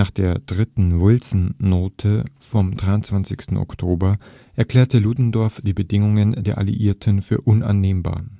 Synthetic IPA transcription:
aːχd̥eːɐd̥ʁɪtn̩vɪlsn̩ːoːtʰəfɔmdʁaɪʊntt͡sv̥ant͡sɪçstn̩ʔɔ̰ktʰoːbɐ | ʔɛɐkl̥ɛːɐtəluːdn̩dɔɐfd̥iːbədɪŋʊŋəndeːɐʔa̰lḭʔiːɐtʰənfyːɐʔʊnʔa̰nːeːmba̰ːɐ

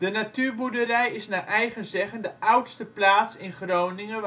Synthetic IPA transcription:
d̥ənatyːrbudərɛjɪsnaʔɛjɣənzɛɣəndəʔʌwtstəplaːtsɪnχrownɪŋə

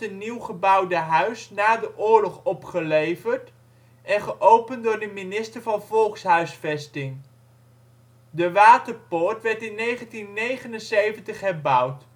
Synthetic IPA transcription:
əniwχəbʌwdəɦœɥsnaːdəʔʊːɹlɔχɔpχəlejvəɹt | ʔɛnχəʔowpəndʊːɹdəminɪstəɹvɑnvɔlˠksɦœɥsfɛstɪŋ | dəʋaːtəɹpʊːɹtʋɛɹtɪnːejχəntinːejχənənsejvəntəχɦɛɹbʌwt

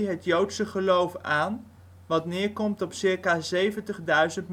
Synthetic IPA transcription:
ɦətjowtsəχəlowfaːn | ʋɑtnɪːɹkɔmtɔpsɪːɹkaːzejvəntəχdœɥzəntm

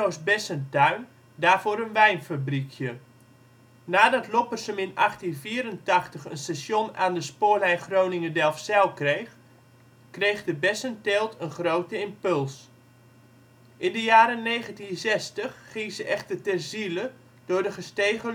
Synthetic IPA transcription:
owsbɛsəntœɥn | daːrvoːɾənʋɛjnfabrikʰjə | naːdɑtlopərsəmɪnɑxtinviəɾəntɑxtəχənstasjonaːndəspoːrlɛjχrownɪŋədɛlˠfsɛlˠkrejχ | krejχdəbɛsəntɪlˠtʰənχrowtəɪmpɵlˠs | ʔɪndəjaːɾəneːχəntinzɛstəχːɪŋsəʔɛxtərtɛrzilə | d̥ʊːrdəχəsteːɣə

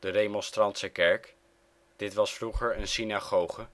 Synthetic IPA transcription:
d̥ədejmɔnstrɑntsəkɛɹk | d̥ɪtʋɑsfruχəɹənsinaχowχə

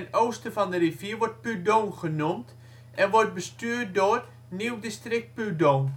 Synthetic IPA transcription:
noːstəfɔndərivjiəʋɔrt̚pydoŋχənumt | ʔɛnʋɔrt̚bəstyːrt̚dʊr | niwdistrɪk̚t̚pydoːn

